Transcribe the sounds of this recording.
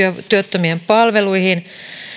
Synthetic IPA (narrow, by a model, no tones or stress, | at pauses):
øt̪yøt̪ːømiempɑlʋeluihin